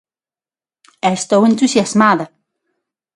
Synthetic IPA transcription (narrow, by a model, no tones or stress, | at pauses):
aest̪owẽnt̪usjazmaðɐ